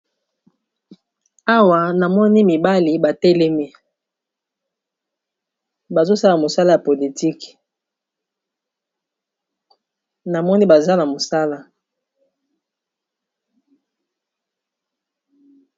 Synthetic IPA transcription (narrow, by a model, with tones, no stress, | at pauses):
a˦wa˨na˨mɔ˦ni˦mi˨ba˦li˨ba˨tɛ˦lɛ˦mi˦ | ba˨zo˦sa˦la˨mo˨sa˦la˦ja˨po˨li˨ti˦k | na˨mɔ˦ni˦ba˨za˦na˨mo˨sa˦la˦